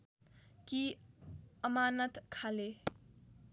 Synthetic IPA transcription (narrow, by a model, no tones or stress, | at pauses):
ki | ʌmaːnət̪kʰale